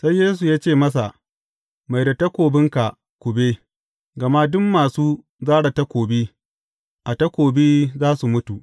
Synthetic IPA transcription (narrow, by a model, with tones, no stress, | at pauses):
sa˦jːeː˦s̬u˨jaː˦t͡ʃeː˦˨mɐ˦s̬a˨ʔ | ma˨jda˨ta˦kʷoː˨bɪ˦ŋka˨ʔ | kʷʊ˨be˦ | ɡɐ˨ma˦dʊ˦mːaː˨suː˦ | zaː˦ɽa˨ta˦kʷoː˨biː˦ | ʔa˨ta˦kʷoː˨biː˦zaː˦su˨mʊ˦tu˨ʔ